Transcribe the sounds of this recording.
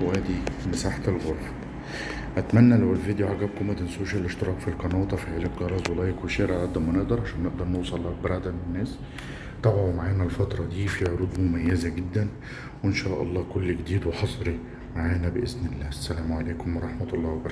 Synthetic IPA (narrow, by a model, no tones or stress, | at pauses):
wæːd̪imesaːħat̪elɣoɾˤːɑ | ʔæt̪mænːælæwelvid̪joʕaɡæːb̚komæd̪ensoːʃælʔeʃt̪ɪɾˤɑːqfilqɑnɑːt̪ˤɑfiʕelet̪ɣɑɾˤɑzˤwɑlɑːjekweʃeːɾænæʔ̚d̪ɑɾˤmæneʔd̪ɑɾˤʕaʃæːnːeʔd̪ɑɾˤnowsˤɑlːɑk̚bɾˤɑd̪æmenːæːs | t̪ˤɑbʕomaʕaːnælfɑt̪ɾˤɑd̪iːfiʕoɾuːd̪mʊmæjːæzæɡɪd̪ːæn | wenʃæːʔɑ̰lˤːɑːkolːɡed̪iːd̪weħɑsˤɾi | maʕaːnæbeʔeznɪlːæːsːælæːmʕaleːkʊmwɑɾˤɑħmæt̪ɑlˤːɑːwbɑɾˤɑ